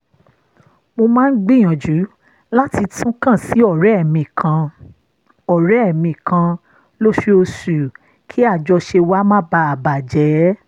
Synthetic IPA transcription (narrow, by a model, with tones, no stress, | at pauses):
mo˧mãː˦n̩˦ɡ͡bi˦˨j̃ã˨d͡ʒu˨˦ | la˦ti˧tʰũ˦kã˦˨si˨˦ɔ˦˨ɾɛ˨˦ɛ˦˨mĩ˧˨kʰã˧ | ɔ˨ɾɛ˨˦ɛ˦˨mĩ˧˨kʰã˧ | lo˦ʃe˦o˧su˨ | kʰi˨˦a˦˨d͡ʒɔ˧ʃe˧wa˦mã˦ba˧a˨ba˨d͡ʒɛ˨˦